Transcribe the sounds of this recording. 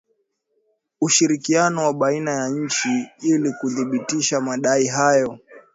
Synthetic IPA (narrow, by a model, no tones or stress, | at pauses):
uʃiɾikianɔwaɓainajaɲ̩t͡ʃiilikuðiɓitiʃamaɗaiɦajɔ